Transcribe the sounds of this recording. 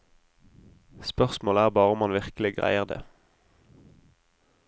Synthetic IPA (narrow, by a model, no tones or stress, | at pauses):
spœʁsmoːlæːʁbɑːʁəʊmɑnʋɪʁklɪɡʁæ̰ɪəʁd̪ḛː